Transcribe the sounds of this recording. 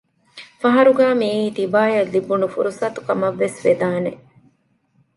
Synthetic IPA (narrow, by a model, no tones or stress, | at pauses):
fɐɦɐɾuɡæːmiːiːt̪ibaːjɐlːibunufṵɾusɐt̪u̥kɐmɐʋːesʋed̪aːne